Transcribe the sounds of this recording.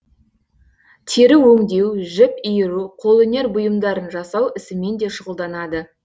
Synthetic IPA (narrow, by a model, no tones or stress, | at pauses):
t̪ʰe̞ɾɪwɵŋd̪e̞wʒɪpijɪɾuqʰolˠene̞ɾbʊjəmd̪ɑɾənʒɑsɑwɪsɪme̞nd̪e̞ʃʊʁəlˠd̪ɑnɑd̪ə